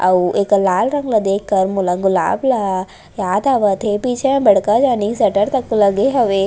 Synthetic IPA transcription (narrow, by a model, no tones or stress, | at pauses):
ɐ̰ʋeːklaːlɾɐ̃ŋɡlad̪eːkʰːɐɾmulaɡʊla̰ːbla | jaːd̪aːʋat̪ʰepiːt͡ʃʰẽbɐɽ̤kad͡ʒaːnisɐʈəɾt̪ɐkːulɐɡeɦɐʋe